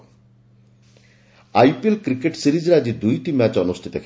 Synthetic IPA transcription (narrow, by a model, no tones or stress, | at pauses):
ajpelkɾikeʈsiɾid͡ʒɾad͡ʒid̪ujʈimæt͡ʃɔnust̪ʰi̥t̪ɔkʰ